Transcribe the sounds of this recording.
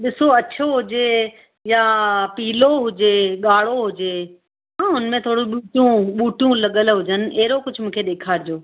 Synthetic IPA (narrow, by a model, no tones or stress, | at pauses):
ɗɪsoɐt͡ɕʰoɦʊd͡ʑeː | japiːloɦʊd͡ʑeːɠaːɽ̤oɦʊd͡ʑeː | ɦãːʊnmẽt̪ʰoːɽũɓuːʈjũɓuːʈijũlɐɠəlɦʊd͡ʑənɪ̆ʔɐɦɪɾokʊd͡ʑʱmũːkʰeɗeːkʰaːɾɪd͡ʑoː